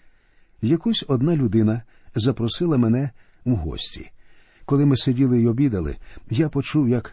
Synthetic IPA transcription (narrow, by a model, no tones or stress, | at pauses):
jɐkusʲɔd̪nalʲʊd̪ɪnɐ | zɐpɾɔsɪlˠɐmɛnɛ | wɦɔ̰sʲtʲḭ | kɔlˠɪmɪsedʲilˠɪiɔbʲid̪ɐlˠɪ̰japɔt͡ʃuwjɐk